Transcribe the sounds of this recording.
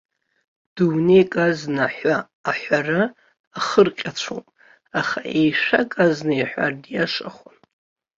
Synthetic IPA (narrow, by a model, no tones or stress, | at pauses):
d̥umnejkʼaznaħʷaː | ħʷaraː | χərqʲʼat͡ɕʷʰo̰pʼ | aχaʔejʂakʼaznɨjħʷa̰rdjaʂaχʷan